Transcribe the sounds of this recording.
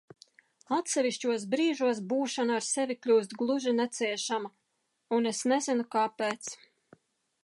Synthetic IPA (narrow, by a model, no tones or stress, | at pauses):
at̪sɛvʲiʃt͡ʃuɔs̬bɾiːʒuɔs̬buːʃanːɾsevʲiklʲuːst̪ɡlˠuʒinɛt̪siɛʃama | unesnezinukaːpeːt̪s